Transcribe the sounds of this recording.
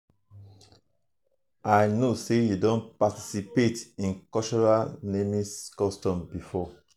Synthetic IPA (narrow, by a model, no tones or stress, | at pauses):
ajnosejudõnpati̥sipetĩnkɔt͡ʃɔɹanemĩskɔstɔ̃mbifɔ